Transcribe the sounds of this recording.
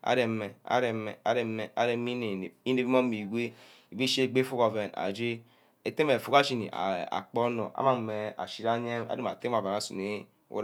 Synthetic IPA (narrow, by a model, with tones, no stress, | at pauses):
a̰˨˦ɾɛ˨mɛ˨a̰˨˦ɾɛ˨mɛ̰˨a̰˨ɾɛ˨mɛ˨a˨ɾɛ˨mi˦ne˨i˦ne˨bi˦m˦o˦mi˨ɡʷe˦ | i˨be˦ʃe˦˨ɡ͡be˦fu˦kɔ˨vɛ˨na̰˨d͡ʒe˦ | e˨te˦me˨fu˨ka˦ʃi˦˨nḭ˨ʔa̰˨a̰˨k͡pɔ˦nɔ̰˨a̰˦ma˦˨mɛ˨a̰˨ʃi˦ɾa˦ɲe˦a̰˦e˦m˨a˨te˦ma˨va˨na˨˦sṵ˨ne˦ | o̰˦